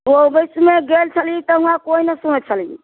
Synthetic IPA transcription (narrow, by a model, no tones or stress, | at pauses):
obəsmeɡelt͡ʃʰəlit̪ɔɦũakoinəsumet͡ʃʰəli